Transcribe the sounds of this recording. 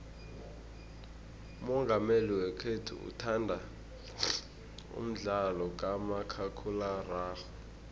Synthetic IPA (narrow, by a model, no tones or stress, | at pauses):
umɔŋɡʱameliwɛkʰetʰṵṵtʰandʱa | ṵm̩ɮalɔk̬ʼamakʰakʰularaːxɔ